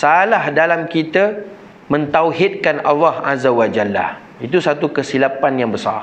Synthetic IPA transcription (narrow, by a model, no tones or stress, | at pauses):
salahdalamkit̪ə | mə̃nt̪awɦit̪̚kanalːɑhazawad͡ʒalːa̰ | it̪usat̪ukəsilapanjaŋbəsa̰r